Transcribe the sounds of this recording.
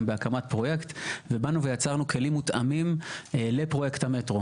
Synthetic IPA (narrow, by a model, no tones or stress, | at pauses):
mbeakamat̚pʁo̞jekt̪vebanuvejat͡saʁnuke̞limːut̪amimle̞pʁo̞je̞kthame̞tʁo